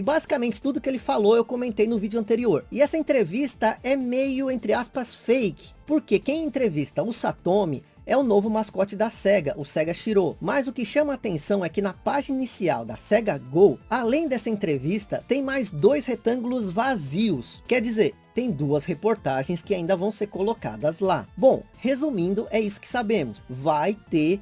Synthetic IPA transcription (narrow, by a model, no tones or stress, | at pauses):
ɪbazikamẽnt͡ʃɪ̥t̪ud̪ʊkɪelɪfaloewkomẽnt̪ejnʊvid͡ʒʊɐ̃nt̪eɾioɾɪɛsɐẽnt̪ɾevist̪ɐʔɛmejʊẽnt̪ɾɪaspɐsfejkɪ̥poɾkekẽj̃ẽnt̪ɾevist̪ɐʊsat̪õmɪ̰ | ɛʊnovʊmaskɔt͡ʃɪd̪ɐsɛɡɐʔʊsɛɡɐʃiɾomɐzʊkɪʃɐ̃mɐaːt̪ẽsɐ̃w̃ɛkɪnɐpaʒininisia̰wd̪ɐsɛɡɐɡowalẽj̃d̪ɛsɐẽnt̪ɾevist̪ɐt̪ẽj̃majzd̪ojshet̪ɐ̃ɡulʊzvaziwskɛɾd͡ʒizeɾ | t̪ẽj̃d̪uɐshepoɾt̪aʒẽj̃skɪaĩnd̪ɐvɐ̃w̃seɾkoloka̰d̪ɐzla̰bõw̃ | hezumĩnd̪ʊʔɛisʊ̥kɪ̥sabẽmʊsvajt̪e